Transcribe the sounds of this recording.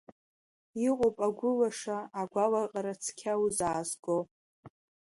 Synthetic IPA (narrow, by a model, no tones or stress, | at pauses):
iqʷʼopʼaɡʷʊlaʂaːɡʷalaqʼaɾat͡sʰkʲʰawuzaːzɡo